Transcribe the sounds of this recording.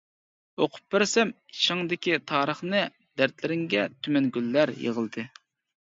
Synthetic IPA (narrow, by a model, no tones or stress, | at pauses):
oqʰʊ̥p̚bɪɾsɛm | iʃɪŋd̪ɪkʲit̪ʰɑːɾəχnɨ | d̪æɾt̪lɪɾɪŋɡʲɛt̪ʰymɛnɡʲylːæɾjḛʁəlˠd̪ɨ